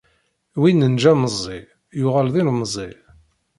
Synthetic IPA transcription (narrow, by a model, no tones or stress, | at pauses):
winːənd͡ʒæməzˤːi | jʊʁælðˤinməzˤːi